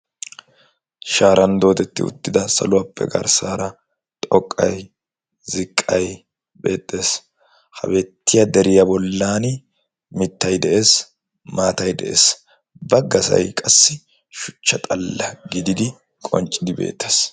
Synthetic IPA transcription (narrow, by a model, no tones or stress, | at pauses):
ʃaːɾɐnd̪o̞ːt̪ɛt̪ːɪ̰ʊ̰t̪ːɪd̪ɐsɐ̰lʊɐpːɛ̰ɡɐ̰ɾsaːɾɐ | t̪ʼɔkʼːɐ̰j | zɪkʼːɐj | be̞̰ːt̪ʼːe̞ːs | hɐ̰bɛt̪ːɪjɐd̪ɛɾɪjɐbɔlːaːn | mɪt̪ːɐjd̪ɛʔe̞ːs | maːt̪ɐjd̪ɛʔe̞̰ːs | bɐɡɐsɐ̰jkʼɐsːɪ | ʃʊ̥t͡ʃːɐt̪ʼɐlːɐɡɪd̪ɪd̪ɪ | kʼɔ̰nt͡ʃʼːɪd̪ɪbe̞̰ːt̪ʰːeːs